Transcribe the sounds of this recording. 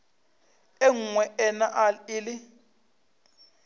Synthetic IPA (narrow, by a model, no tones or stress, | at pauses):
eŋ̩ŋwɛɛnaʔalɪlɪ